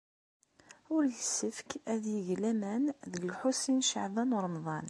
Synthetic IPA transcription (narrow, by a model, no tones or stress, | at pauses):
ʊɾlsəfkæðjəʝlæmænðəɡəlħusinʃəʕðɑnɾˤmðˤɑn